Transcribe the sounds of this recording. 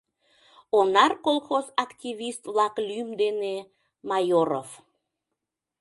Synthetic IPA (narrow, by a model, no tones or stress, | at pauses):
onɑrkolˠxozɑkt̪iβist̪βlɑklymd̪ene | mɑjoɾo̰v